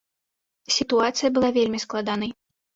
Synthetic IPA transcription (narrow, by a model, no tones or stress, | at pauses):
sʲit̪uat̪sɨjɐbɨlˠavʲelʲmʲisklˠad̪anɐj